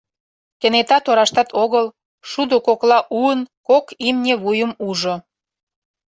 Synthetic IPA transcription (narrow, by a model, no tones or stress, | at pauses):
kenet̪ɑt̪oɾɑʃt̪ɑt̪ʰoɣəl | ʃud̪okoklɑʔuənkokimnʲeβujəmuʒo